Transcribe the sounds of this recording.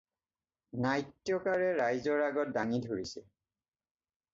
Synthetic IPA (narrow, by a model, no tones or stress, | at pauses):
najtːjɔkaɹɛɹajzɔɹaɡɔt̚daŋidʱoɹisɛ